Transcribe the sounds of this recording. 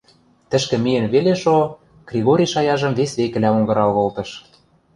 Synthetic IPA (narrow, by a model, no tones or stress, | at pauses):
t̪ɘ̆ʃkɘ̆mijɘ̆nβeleʃo | ɡ̥rʲiɣoɾʲiʃɑjɑʒɤ̆mβesβekɘ̆læoŋɡɤ̆ɾɑlβolt̪ɤ̆ʃ